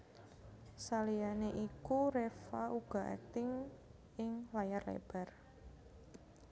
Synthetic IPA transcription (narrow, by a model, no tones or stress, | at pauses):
salijaneʔikuɾefaʔuɡ̥a̤ʔɛ̰k̚t̪ɪŋ | ɪŋlajarlḛb̥ɛ̤r